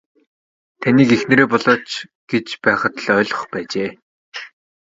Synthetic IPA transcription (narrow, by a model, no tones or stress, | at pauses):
t̪ʰaniːkexnĕɾeːpɔɮɔːt͡ɕɡ̥et͡ɕpæːχə̆t̪ə̆ɮœːɮə̆χpæːt͡ɕeː